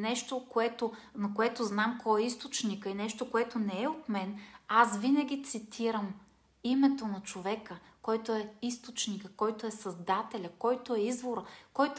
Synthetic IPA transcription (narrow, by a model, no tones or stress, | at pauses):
nɛʃt̪okoɛt̪o | nɐkoɛt̪oznamkʰɔɛist̪ot͡ʃnikəinɛʃt̪okoɛt̪onɛɛot̪mɛnasvinɐɡʲit̪sit̪ʰiɾəm | imɛt̪onɐt͡ʃovɛkə | kɔjt̪oɛist̪ot͡ʃnikəkɔjt̪oɛsɐzd̪at̪ɛlʲəkɔjt̪oɛizvoɾəkɔjt̪